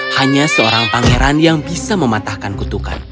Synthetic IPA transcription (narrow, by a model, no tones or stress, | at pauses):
haɲasəoɾaŋpaŋeɾanjaŋbisaməmat̪ahkankut̪uka̰n